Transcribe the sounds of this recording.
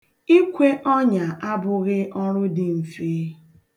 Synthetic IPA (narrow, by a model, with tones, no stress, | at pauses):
i˦kʷe˦ʔɔ˦ɲa˨ʔa˦bʊ˦˨ɣɪ˦ʔɔ˦ɾʊ˦dɪ˨m̩˨fi˦